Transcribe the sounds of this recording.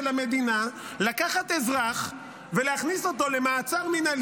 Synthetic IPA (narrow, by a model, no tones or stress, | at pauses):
lame̞d̪inalakaχat̪e̞zʁaχ | veleaχniso̞t̪o̞le̞maːt͡saʁminal